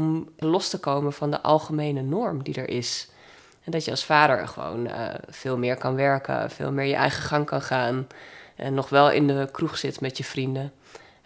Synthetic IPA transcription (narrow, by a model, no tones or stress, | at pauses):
mlɔstəkowmənvɑndəʔɑ̰lˠχəmejnənɔɹmdidə̰ɹʔɪs | ɛdɑtjəɑsfaːɾə̰ɹχəʋo̰wn̰v̥ɪːlˠmɪːɹkɑnʋɛɹkə̰fɪ̰ːlˠmɪːɹjə̰ʔɛ̰jχəχɑŋkɑnχaːnʔɛ̰nːɔχʋɛlˠɪ̰ndəkruχsɪtmɛtjəv̥rində